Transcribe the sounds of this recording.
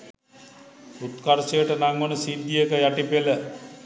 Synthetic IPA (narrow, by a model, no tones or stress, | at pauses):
ut̪kaɾsejəʈənaŋɡonəsid̪ːijəkəjaʈipelə